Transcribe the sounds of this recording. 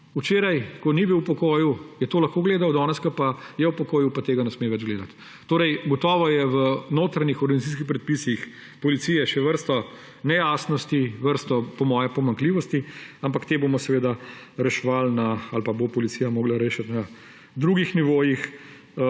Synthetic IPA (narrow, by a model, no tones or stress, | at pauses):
ut͡ʃeːɾajkɔnibiwpɔkoːjujɛt̪oːlɐxkoːɡleːd̪awd̪ɔːnɛskəpajɛwpɔkoːjupat̪eːɡanɛsmeːʋɛd͡ʒɡleːd̪at̪ː | oːɾɛjɡɔt̪ɔːʋɔjɛʋənoːt̪ɾanixɔɾɡɐnit̪is̬kixpɾɛt̪̚pisix | pɔlit̪siːjɛʃɛʋəɾst̪ɔ | nɛjaːsnɔst̪iʋəɾst̪ɔpɔmɔːjɛpɔmaŋkliːʋɔst̪iampakt̪eːbomɔsɛʋeːd̪aɾɛʃɛʋalnaalpabopɔlit̪sijamoːɡlaɾeːʃat̪na | d̪ɾuːɡixniʋoːjix